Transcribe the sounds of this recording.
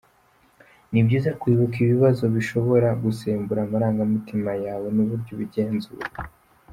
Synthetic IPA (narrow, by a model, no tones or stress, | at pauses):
nibɟiːzakwiːβukiβiβazo̞βiʃo̞βo̞ɾaɡuseːmbuɾaːmaɾaːŋɡamitimajaːwe̞nuβuɾɟo̞βiɟe̞ːnzṵɾe